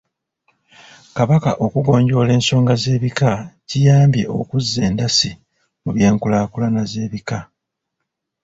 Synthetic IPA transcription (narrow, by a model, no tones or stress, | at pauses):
kaβakaʔo̞kuɡo̞ːɲɟo̞ːle̞ːnso̞ːŋɡaze̞ːβikacijaːmbje̞̰ʔo̰kuzːe̞ːndasi | muβje̞ːŋkulaːkulanaze̞ːβika